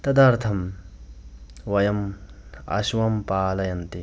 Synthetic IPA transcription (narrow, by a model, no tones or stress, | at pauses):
t̪ɐd̪aɾt̪ʰɐm | wɐjɐmɐ̰suwɐmpaːlɐjɐnt̪i